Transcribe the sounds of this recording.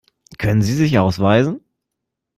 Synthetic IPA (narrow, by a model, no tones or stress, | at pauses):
kʰœnənziːzɪçʔaʊsv̥aɪzn̩